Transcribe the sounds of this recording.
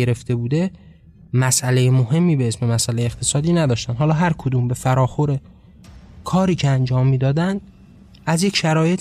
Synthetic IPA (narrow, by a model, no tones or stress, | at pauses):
eɾe̞ft̪e̞buːd̪e̞ | mæsʔælejemohe̞mːiːbeesme̞mæsʔælejeχt̪ʰe̞sɒːd̪iːnæd̪ɒːʃt̪ænd̪hɒːlɒːɦæɾkʰod̪uːmbe̞fæɾɒːxo̞ɾe̞ | kʰɒːɾiːcʰeænd͡ʒɒːmːiːd̪ɒːd̪ænd̪̚ | æzjecʃæɾɒːje̞t̪ʰ